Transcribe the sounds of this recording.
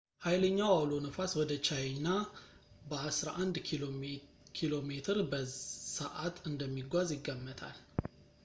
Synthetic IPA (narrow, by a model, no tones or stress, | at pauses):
hajləɲːawawlo̞nəfaswɔd̪ət͡ʃʰawinːa | bəasɾaʔand̪ | kʰilo̞met̪ʰɨɾbəsəʔat̪ʰɨnd̪əmːiɡʷazjɪɡːəmːət̪ʰa̰l